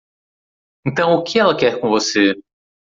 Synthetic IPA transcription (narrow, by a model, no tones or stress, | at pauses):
ẽnt̪ɐ̃w̃ʊkɪɛlɐkɛɾkõvose